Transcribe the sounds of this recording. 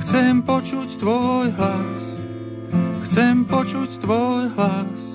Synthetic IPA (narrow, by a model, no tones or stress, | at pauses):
xt͡sɛmpɔt͡ʃuct̪ʋɔjɦlas | xt͡sɛmpɔt͡ʃuct̪ʋɔjɦlas